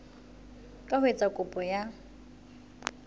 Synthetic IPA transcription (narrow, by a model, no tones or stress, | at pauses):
kʼahwet͡sʼakʼʊpʼɔja